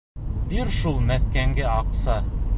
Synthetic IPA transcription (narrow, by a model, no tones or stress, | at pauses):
biɾʃulˠmæθkæŋɡɘɑqsɑ